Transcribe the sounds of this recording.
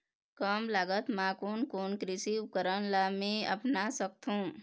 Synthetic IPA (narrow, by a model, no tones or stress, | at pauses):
kəmlaɡət̪mãkonkonkɾɪsiupkəɾənlamẽə̰pnasək̚t̪ʰũː